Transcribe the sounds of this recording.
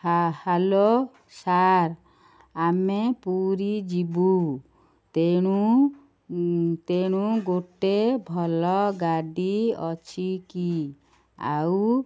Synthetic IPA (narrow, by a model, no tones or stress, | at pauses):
halo | saɾ | amepuɾid͡ʒibu | t̪eɽ̃u | t̪eɽ̃uɡoʈebʱɔlɔɡaɖiɔt͡ʃʰiki | a̰w